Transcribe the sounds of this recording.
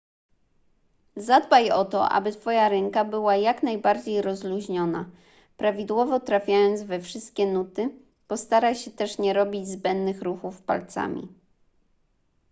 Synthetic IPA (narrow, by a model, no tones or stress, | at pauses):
zad̪bajɔt̪ɔ̰ʔa̰bɘt̪fɔjaɾɛŋkabɘwajaknajbaɾd͡ʑejɾɔzluʑɲɔna̰ | pɾavʲid̪wɔvɔt̪ɾafʲjajɔnd̪zvɛfʂɘst̪̚kʲɛnut̪ɘ | pɔst̪aɾaɕɛt̪ɛʂɲɛɾɔbʲid͡ʑzbɛnd̪nɘxɾuxufpa̰lt̪sa̰mʲḭ